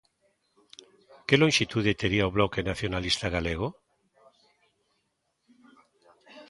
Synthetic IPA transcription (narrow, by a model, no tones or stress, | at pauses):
keloŋʃit̪uðet̪eɾiaoβlokenaθjonalist̪aɣaleɣ̞o